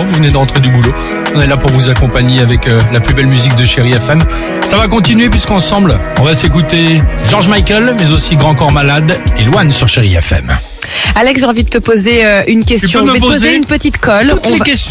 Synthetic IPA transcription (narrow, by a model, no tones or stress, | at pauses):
vuvned̪ɑ̃t̪χed̪ybulo | ɔ̃nɛlapuʁvuzakɔ̃paɲeavɛkølaplybɛlmyzik̚d̪əʃeʁiɛfɛm | savak̬ɔ̃t̪inɥepɥiskɑ̃sɑ̃blɔ̃vasekut̪eʒɔʁʒmajkʲɛlmɛzosiɡʁɑ̃kɔʁmalad̪elwansyʁʃeʁiɛ̰fɛ̰m | alɛksʒeɑ̃vid̪ət̪əpozeøynkʲɛst̪jɔ̃mvepoozeynpət̪it̪kɔluekɛs